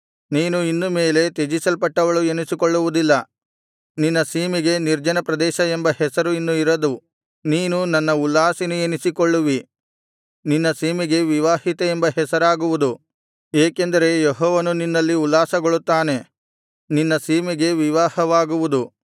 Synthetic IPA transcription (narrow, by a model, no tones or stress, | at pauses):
niːnuinːume̞ːle̞t̪ed͡ʒisɐlpɐʈːɐʋɐɭuenisikoɭːuʋud̪ilːɐ | ninːɐsiːmiɡe̞niɾd͡ʒɐnɐpɾɐd̪ɛːʃɐembɐhɛsɐɾuinːuiɾɐd̪u | niːnunɐnːɐulːaːsinuenisikoɭːuʋi | ninːɐsiːmiɡe̞ʋiʋaːhit̪eembɐɦɛsɐɾaːɡuʋud̪u | eːke̞nd̪ɐɾe̞jeɦɔːʋɐnuninːɐlːiulːaːsɐɡoɭut̪ːaːne̞ | ninːɐsiːmiɡe̞ʋiʋaːhɐʋaːɡuʋud̪u